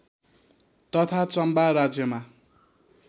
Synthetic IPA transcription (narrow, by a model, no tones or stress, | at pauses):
t̪ʌt̪ʰat͡sʌmbaɾad͡zjʌma